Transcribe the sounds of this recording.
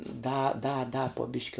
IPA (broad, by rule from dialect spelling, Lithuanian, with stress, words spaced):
dɐ dɐ dɐ poː ˈbʲɪʃʲkʲɪ